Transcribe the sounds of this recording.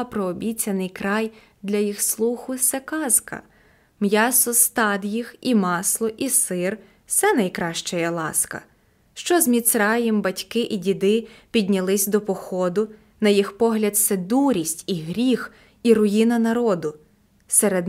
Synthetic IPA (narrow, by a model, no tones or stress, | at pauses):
pɾɔːbʲit͡sʲɐnɪjkɾɑj | d̪lʲɐjixslˠuxʊsɛkɑzkɐ̰ | mjɑsɔst̪ɑd̪jiximɑslˠɔʔisɪr | sɛnɐjkɾɑʃt͡ʃɛjɐlˠɑ̰skɐ̰ | ʃt͡ʃɔzmʲit̪sɾɑjɛmbɐtʲkɪʔidʲid̪ɪpʲidʲnʲɐlˠɪsʲd̪ɔpɔxɔd̪ʊ | nɐjixpɔɦlʲɐd̪sɛd̪uɾʲisʲtʲiɦɾʲix | iɾʊjinɐnɐɾɔd̪ʊ | seɾed̪